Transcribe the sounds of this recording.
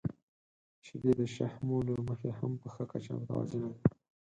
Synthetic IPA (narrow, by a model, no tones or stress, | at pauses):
t͡ʃed̪ed̪əʃahmoloməxehampəxəkat͡ʃa̰mt̪a̰zənad̪i